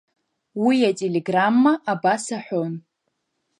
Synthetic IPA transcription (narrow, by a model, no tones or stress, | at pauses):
wiatʼelʲe̞ɡramːaʔabasaħʷon